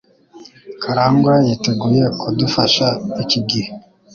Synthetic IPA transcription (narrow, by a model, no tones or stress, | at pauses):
kʰaɾaːŋɡwajiteɡuːjekudufaʃaiciɡihe